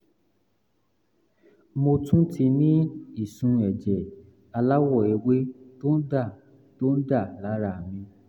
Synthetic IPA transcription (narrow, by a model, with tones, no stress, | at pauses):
mo˧tũ˦ti˧nĩ˦i˦˨sũ˧ɛ˨d͡ʒɛ˨ | a˧la˦wɔ˦˨e˨we˦to˦n̩˦da˦˨ | to˦n̩˦da˦˨la˨˦ɾa˨mĩ˧